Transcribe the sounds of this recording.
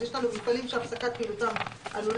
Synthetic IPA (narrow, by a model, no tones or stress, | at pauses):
jeʃlanumitfalimʃeafsakat̪̚miltamʔa̰nol